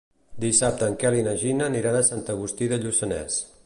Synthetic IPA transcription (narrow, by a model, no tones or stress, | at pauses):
d̪isap̚t̪əːŋkɛlinəʒinəniɾanəsant̪əɣ̞ust̪iðəʎusənɛ̰s